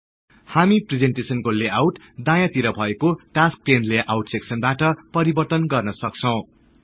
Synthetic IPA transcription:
hamipred͡zenʈesʌnkoleawʈ | d̪ãjat̪iɾʌbʱʌekoʈask̚ʈenleʔawʈseksʌnbaʈʌpʌɾibʌrt̪ʌnɡʌrnʌsʌk̚t͡sʰʌw̃

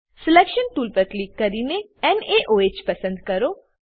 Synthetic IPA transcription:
sɪlɛːkʃənʈuːlpəɾkliːkːɐɾiːne | ɛneʔoːeːt͡ʃpɐsə̃nd̪kɐɾoː

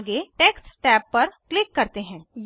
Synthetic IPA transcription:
ɡeʈeːkssʈɛːpːɐɾklɪkːɐɾt̪eɦɛ̃ːj

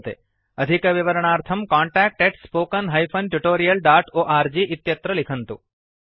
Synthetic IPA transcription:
t̪ḛ | əd̪ʱikʋiʋəɾəɳ̃aːɾt̪ʰɐmkaːɳʈæːk̚ʈeʈspoːkənɦɐjfʰɐnʈuʈoːɾijɐlɖaːʈoːʔaːɾd͡ʒiʔɪt̪jɐt̪ɾəlikʰənt̪ṵ

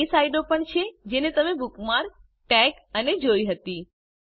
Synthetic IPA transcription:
isaiɖopəɳt͡ʃʰed͡ʒenet̪əmebukmaɾ | ʈɛk | əned͡ʒoiɦət̪i

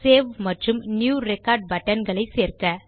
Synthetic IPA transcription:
seːʋmɐʈrɯmnjuːɾɛkaːɾɖ̚bɐʈːɐnɡɐɭɐɪseːɾkɐ

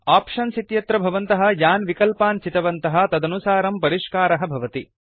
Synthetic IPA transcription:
aːpʂɐnsit̪jɐt̪ɾɐbʱɐʋɐnt̪ɐɦɐ̆jaːnʋikɐlpaːnt͡ʃit̪ɐʋɐnt̪ɐɦɐ̆t̪ɐd̪ɐnusaːɾɐmpɐɾiʂkaːɾɐɦɐ̆bʱɐʋɐt̪i

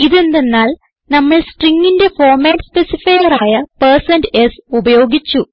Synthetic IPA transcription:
iðe̞nd̪e̞nːaːl | nɐmːɐɭsʈriŋːinde̞fo̞ːrmaːʈspe̞sifɐjɐraːjɐpɐrsɐndesubɐjo̞ːɡit͡ɕːu

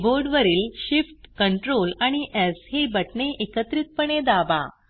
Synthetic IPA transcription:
boɾɖʋəɾiːlɕifʈkəɳʈɾolaɽ̃iʔɛd͡zhebəʈɳeʔekət̪ɾiːt̪̚pəɳ̃ed̪aba̰

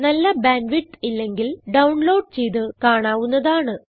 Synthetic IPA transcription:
nɐlːɐbaːnʋiʈːilːe̞ŋɡilɖɐwɳlo̞ːɖ̚t͡ɕe̞jt̪ɨkaːɳaːʋunːɐðaːɳɨ

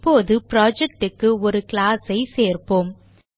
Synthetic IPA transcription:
pːoːðɯpɪɾaːd͡ʒɛk̚ʈɯkːɯɔɾɯklaːsɐɪseːɾpoːm

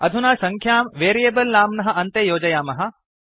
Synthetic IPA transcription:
ɐd̪ʱunaːsɐ̃ŋkʰjaːmʋeːɾijeːbɐlnaːmnɐɦɐ̆ʔɐnt̪eːjoːd͡ʒɐjaːmɐɦɐ̆

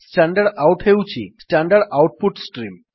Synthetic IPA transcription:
sʈaɳɖəɽawʈɦewt͡ɕʰḭsʈaɳɖəɽawʈ̚puʈsʈɾiːm

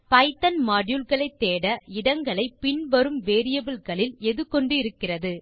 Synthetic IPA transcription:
pɐɪt̪ːɐnmaːɽjulɣɐɭɐɪt̪ːeːɽɐɪɽɐŋɡɐɭɐɪpːɪɳʋɐɾɯmʋeːɾɪjɐbɪlkɐɭɪlɛðɯkːɔɳɖɯɪɾɯkːɪrɐðɯ

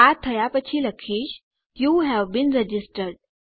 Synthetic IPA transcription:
at̪ʰəjapət͡ɕʰiːləkʰiːɕ | juɦæʋbiːnɾɛd͡ʑisʈəɾɖ

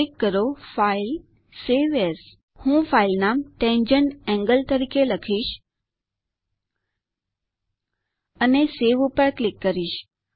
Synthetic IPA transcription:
ɪkːəɾofail | seʋes | hũːfʰailnaːmʈẽnd͡ʒənɛ̃ŋɡəlt̪əɾiːkʰeləkʰiːʃ | əneseʋupəɽklɪkːəɾiːʃ

